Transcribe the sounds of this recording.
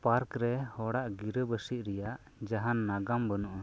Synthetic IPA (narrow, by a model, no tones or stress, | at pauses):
paɾkɾɛhɔɽaʔɡiɾəbəsiʔ̪̚ɾɛjaʔ | d͡ʒaɦanːaɡambənuʔ